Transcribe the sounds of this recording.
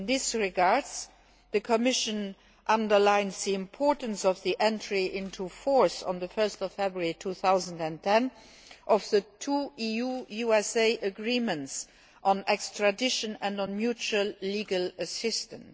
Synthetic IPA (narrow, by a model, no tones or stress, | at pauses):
nðisɹiɡaɹdz | ðəkʰɔmɪʃə̃n | ʔãndə˞lãɪ̃nzðiɪ̃mpʰɔɹtənsɔfðiʔɛ̃ntʰɹiʔɪ̃ntʰufɔɹsə̰̃nðəfɜ˞stɔfɛbɹəɹitʰuːθaʊzə̃ndæ̃ntʰɛ̃n | ʔɔfðətʰuːijuːjuɛseɪʔəɡɹiːmə̃nts | ʔə̃nɛkstɹ̥adɪʃə̃næ̃ndɔ̃nmjut͡ʃuəlliɡələsɪstə̃n